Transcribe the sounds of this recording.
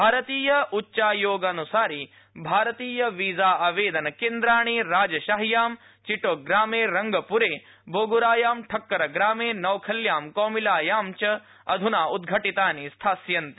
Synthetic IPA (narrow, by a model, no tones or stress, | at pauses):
bʱaːɾɐt̪iːjɐutːʃaːjoːɡɐnusaːɾi | bʱaːɾɐt̪iːjɐʋiːzaːaːʋeːd̪ɐnɐkeːnd̪ɾaːɳ̃iɾaːd͡ʒɐʃaɦjaːm | t͡ʃiʈoːɡɾaːmeːɾɐŋɡɐpuɾeː | bʱoːɡuɾaːjaːmʈʰɐkːɐɾɐɡɾaːmeːnɐwkʰɐljaːmkɔːmilaːjaːmt͡ʃɐ | ɐd̪ʱunaːud̪ɡʱɐʈit̪aːnist̪ʰaːsjɐnt̪i̥